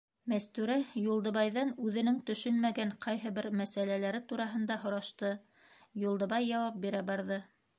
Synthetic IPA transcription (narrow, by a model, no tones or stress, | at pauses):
mæst̪ʉɾæjulˠd̪ɤ̆βɑjðɑnʉðɘ̆nɘŋt̪ɵ̆ʃɵnmæɡæɴqʰɑjɦɤ̆βɘɾmæsælælæɾɘt̪uɾɑɦɤ̆nd̪ɑɦŏɾɑʃt̪ɤ | julˠd̪ɤ̆βɑjːɑwɑp̚biɾæbɑɾðɤ